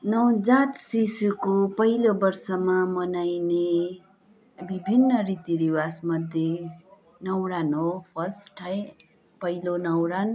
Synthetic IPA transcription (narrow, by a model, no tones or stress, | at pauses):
nʌwd͡zat̪sisukopʌɦilobʌrsʌmamʌnajne | bibʱinːʌɾit̪iɾiwasmʌd̪ʱje | nʌwɾanɦopʰʌsʈʰaj | pʌilonʌwɾan